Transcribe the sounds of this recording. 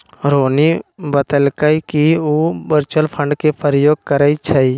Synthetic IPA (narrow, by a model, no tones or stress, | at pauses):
ɾoːnibət̪əlkəikiuːbəɾt͡ʃəlpʰə̃ɳɖkepʰəɾjoːɡ̚kəɾəit͡ʃʰəi